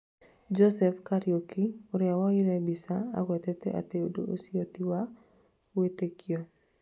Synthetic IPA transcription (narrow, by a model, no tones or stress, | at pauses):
d͡ʒɔsɛfkaɾjokioɾɛawaɪɾɛbisaa̰kwɛt̪ɛt̪ɛ̰ʔa̰t̪eodo̰osiot̪iwa | wet̪ekio